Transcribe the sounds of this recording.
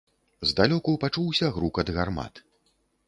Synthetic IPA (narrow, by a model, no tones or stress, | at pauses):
zd̪alʲɔkuwpat͡ʂuwsʲɐɣɾukɐd̪ɣarma̰t̪